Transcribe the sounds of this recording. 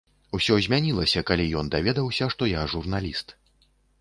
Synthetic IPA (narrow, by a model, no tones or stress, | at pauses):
usʲɔzʲmʲanʲilˠɐsʲɐkalʲijɔnd̪avʲɛd̪ɐwsʲɐʂt̪ɔjaʐurnalʲist̪